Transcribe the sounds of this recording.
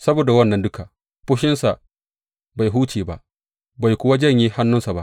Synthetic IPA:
sɐ˦boː˨da˨wɐ˦nːɐ˨ndʊ˦ka˨ | ɸʊ˦ʃɪ˦nsa˨ʔ | ba˨jɦuː˦t͡ʃeː˨ba˦˨ʔ | ba˨jkʷʊ˦wa˦d͡ʒɐ˦˨ɲjiː˦ha˦nːʊ˦nsa˨ba̰˦ʔ

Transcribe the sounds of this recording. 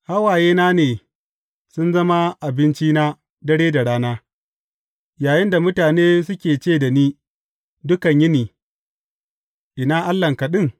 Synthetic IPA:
ha˦waː˨jeː˦naː˦neː˨ | sʊ˦nzɐ˦ma˦ʔa˨bɪ˦nt͡ʃiː˦naː˦ | dɐ˦ɽeː˦da˨ɽaː˦naː˦ | jaː˨jɪ˦nda˨mʊ˦taː˨neː˦sʊ˦kʲeː˨t͡ʃeː˦˨da˨niː˦ | dʊ˦kɐ˨ɲjɪ˦niː˨ | ʔɪ˨naː˦ʔa˦lːɐ˨ŋkɐ˨ɗɪ˦ŋ

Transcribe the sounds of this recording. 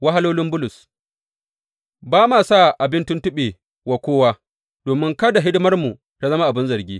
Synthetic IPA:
wa˦ɦa˦loː˦lɪ˦mbʊ˦lʊ˨s | baː˦maː˨sa˦˨ʔa˨bɪ˦ntʊ˦ntʊ˦ɓe˨ | wa˨kʷoː˦waː˦ | d̥oː˨mɪ˦ŋkɐ˦da˨ɦɪ˦dʊ˦mɐ˦rmu˨ | ta˦zɐ˦ma˦ʔa˨bɪ˦nzɐ˨rɡʲiː˦

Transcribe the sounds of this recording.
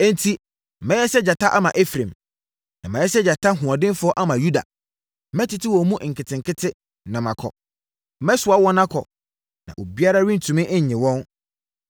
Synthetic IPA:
ɛ̃˦n˦tʰi˦˨ | mɛ̃˦jɛ˦sɛ˦d͡ʑa˨tʰa˦ʔa˦mã˨ʔɛ˦fɾẽ˨m | nã̰˨mɛ̃˨˦jɛ˦sɛ˦d͡ʑa˨tʰa˦ɦũ˨ã˨dɪ̃˦n˦fʊ˦ɔ˦ʔa˦mã˨ju˦da̰˨˦ | mɛ̃˦tʰɪ˨tʰɪ˦wɔ˨˦mũ˦ʔŋ̩˨kʰɪ˨tʰɪ̃˨ŋkʰɪ˦tʰɪ˦˨ | nɔ̃˨mã˨kʰɔ̰˨˦ | mɛ̃˦sʊ˨a˦wɔ̃˦nã˦kʰɔ̰˨ | nã̰˨ʔo˨bi˦a˦ɾa˦ɥĩ˦n̩˨tʰũ˨mɪ̃˦ʔɲ̩˨ɲɪ̃˨wɔ̃˦n

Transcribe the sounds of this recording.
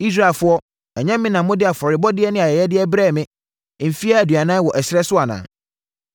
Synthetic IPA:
i˦s̬ɾa˦˨e˨lfʊ˦ɔ˦ | ɛ˨ɲɛ̃˦mːɪ̃˦nã˨˦mʊ̃˦dɪ˦a˨fɔ˨ɾɪ˨bɔ˦dɪ˦ɛ˦nɪ̃˦a˨jɛ˨jɛ˦dɪ˦ɛ˦bɾɛː˦˨mɪ̃˦ | m̩˨fi˦a˦æ˨dɥa˨nãː˦wɔ˨ʔɛ˨sɾɛ˦sʊ˦a˨nã̰ː˨

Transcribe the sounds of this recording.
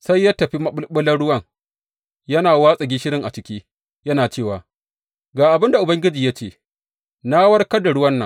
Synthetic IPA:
sa˦jːa˦tːɐ˨ɸi˦mɐ˦ɓʊ˦ɓʊ˦lɐ˦nɽʊ˦wɐ˦˨ŋ | jɐ˦naː˨waː˦sʼɐ˨ɡʲiː˦ʃɪ˦ɽɪ˦ŋʔa˨t͡ʃɪ˦kʲiː˦ | jɐ˦naː˨t͡ʃeː˦˨waː˨ | ɡaː˨ʔa˨bɪ˦nda˨ʔʊ˨bɐ˦ŋɡʲɪ˦d͡ʒiː˨ja˦t͡ʃeː˦˨ | na˦wɐ˦rkɐ˦da˨ɽʊ˦wɐ˦nːɐ̰˨

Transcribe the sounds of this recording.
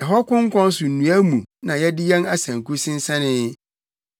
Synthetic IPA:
ɛ˨ɦɔ˦kʊ̃˦ŋ̩˦kʰɔ̃˦n˦sʊ˨n̩˨nũ˨æ˦mũ˨nã˨jɛ˦dɪ˦jɛ˦na˦sã˨ŋ˨ku˦sɪ̃˦n˦sã˦nɪ̃˦

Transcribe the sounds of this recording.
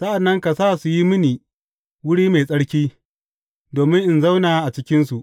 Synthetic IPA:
sɐ˦ʔa˨nːɐ˦ŋka˨saː˦˨su˨ji˦mɪ˦niː˨ | wʊ˦ɽiː˦me˨sʼɐ˦ɽkʲiː˦ | doː˨mɪ˦ŋʔɪ˨nza˦wnaː˨˦ʔa˨t͡ʃɪ˦kʲɪ˦nsu˨ʔ

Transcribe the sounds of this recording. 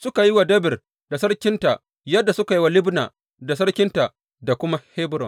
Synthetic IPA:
sʊ˦ka˨ji˦wa˨dɐ˦bɪ˨r | da˨sɐ˦rkʲɪ˦nta˨ʔ | jɐ˦dːa˨sʊ˦ka˨ji˦wa˨lɪ˦bna̰ː˨ | da˨s̬ɐ˦ɽkʲɪ˦nta˨ʔ | da˨kʷʊ˦ma˦heː˦bʊ˦ɾɔ̰˨n

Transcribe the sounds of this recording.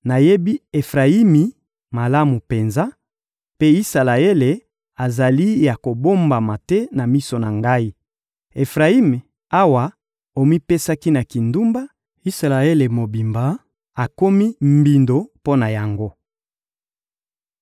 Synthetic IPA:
na˨je˦bi˦e˨fʁa˨i˦mi˨ | ma˨la˦mu˨pe˨nza˦ | pe˦i˦sa˨la˨e˦le˨ | a˨za˨li˦ja˨ko˨bo˦mba˨ma˨tɛ˦na˨mi˦so˨na˨ŋɡa˦i˦ | e˨fʁa˨i˦me˨ | a˦wa˨ | o˨mi˦pe˦sa˦ki˦na˨ki˨ndu˦mba˦ | i˦sa˨la˨e˦le˨mo˨bi˨mba˨˦ | a˨ko˦mi˦mbi˨ndo˨po˦na˨ja˨ŋɡo˦

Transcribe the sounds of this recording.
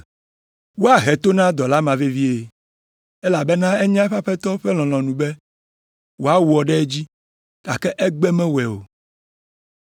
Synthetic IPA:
wo˦a˨ɦɛ˨t̪o˦nã˦d̪ɔ˨la˦mã˨ve˦vi˦e˨ | ɛ˦la˨bɛ˦nã˦ɛ˦ɲã˦ɸa˦ɸɛ˦t̪ɔ˦ɸɛ˦l̃ɔ̃˨l̃ɔ̃˨nũ˨bɛ˦ | wo˨a˦wu˨ɔ˨ɖɛ˦e˦d͡ʑi˦ | ta˨kɛ˦ʔɛ˦ɡ͡bɛ˦mɛ̃˦wɛ˨o̰˨

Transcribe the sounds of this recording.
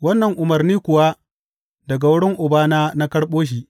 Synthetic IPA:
wɐ˦nːɐ˨ŋʔʊ˨mɐ˨rniː˦kʷʊ˨wa˦ | dɐ˨ɡa˨wʊ˦ɽɪ˦ŋʔʊ˨baː˦naː˦na˦kɐ˦ɽɓoː˦ʃ̬iː˦

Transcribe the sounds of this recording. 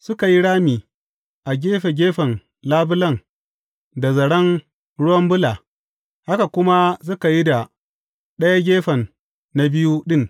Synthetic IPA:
sʊ˦ka˨ji˦ɽaː˦miː˨ | ʔa˨ɡʲeː˦ɸe˨ɡʲeː˦ɸɐ˨n | laː˦bʊ˦lɐ˦ŋ | da˨zɐ˨ɽɐ˦n | ɽʊ˦wɐ˦mbʊ˦laː˨ | ha˦ka˨kʷʊ˦ma˦s̬ʊ˦ka˨ji˦da˨ | ɗɐ˦ja˦ɡʲeː˦ɸɐ˨nː | a˦bɪ˦ju˦ɗɪ˦ŋ

